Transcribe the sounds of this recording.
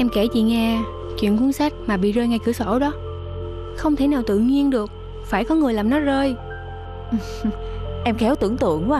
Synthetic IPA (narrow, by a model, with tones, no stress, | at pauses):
ʔɛ˧mke˧˩t͡ɕḭ˧˨ŋɛ˧ | t͡ɕwḭ˧˨nku˨˦nsa˦˥k̚maː˨˩ɓḭ˧˨zəː˧jŋa˧jkɨ˧˩əsɔ˧˩ɗɔ˨˦ | xə˧wŋ͡mt̪ʰe˧˩naː˨˩wt̪ɨ̰˧˨ɲi˧ənɗɨ˨˩ək̚ | faː˧˩jkɔ˨˦ŋɨ˨˩əlaː˨˩mnɔ˨˦zəː˧j | ʔ | ʔɛ˧mkɛ˨˦wt̪ɨ˧˩əŋt̪ɨ̰˧˨əŋkwa˧